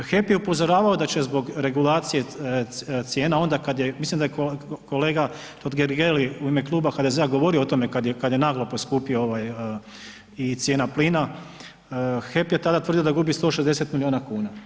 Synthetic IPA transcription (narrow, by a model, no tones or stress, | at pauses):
xe̞pjeupo̞zo̞ɾaːʋao̞d̪at͡ɕe̞zbo̞ɡɾe̞ɡulaːt̪sije̞ | t̪sjeːnao̞nd̪akad̪je̞mislimd̪ajekoko̞le̞ːɡa | t̪od̪ɡeɾɡeliuime̞klˠuːbaxad̪e̞zeaɡo̞ʋo̞ɾioot̪o̞me̞kad̪jekad̪je̞naːɡlˠoposkuːpiooʋaj | it̪sʲje̞ːnaplina | xe̞pje̞t̪ad̪at̪ʋr̩d̪iod̪aɡubist̪o̞ːʃed̪ese̞t̪milio̞ːnakuːna